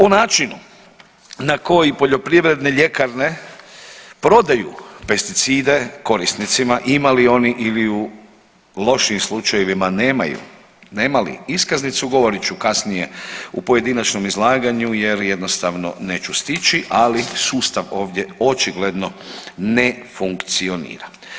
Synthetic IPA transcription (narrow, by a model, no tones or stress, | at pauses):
onaːt͡ʃinu | nako̞jipo̞ʎo̞pɾiʋɾe̞d̪ne̞ʎe̞kaɾne̞ | pɾo̞d̪ajṵpe̞st̪it̪siːd̪e̞ko̞ɾist̪nit̪simaʔimalio̞niʔiliu | lo̞ʃiːmslˠut͡ʃajeʋimaneːma̰jṵ | ne̞ːmalḭiskaznit̪suɡo̞ʋo̞ɾit͡ɕukasnije̞upo̞je̞d̪inat͡ʃno̞mizlˠaːɡaɲuje̞ɾje̞d̪no̞st̪aʋno̞̰ne̞ːt͡ʃust̪it͡ʃiʔalisuːst̪aʋo̞ːʋd̪ʲje̞o̞t͡ʃiɡle̞d̪no̞nefuŋkt̪sio̞nḭːɾa